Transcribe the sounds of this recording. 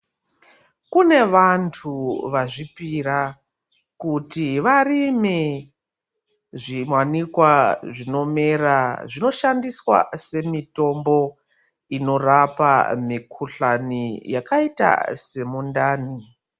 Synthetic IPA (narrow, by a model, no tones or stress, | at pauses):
kune̞ʋantʰuʋaʐipiɾa | kutiʋarimi | ʐimwanikwaʐino̞meɾaʐino̞ʃandiswa̰se̞mito̞mbo̞ | ino̞rapa̰mikʰuɬanijakaita̰se̞mundaːni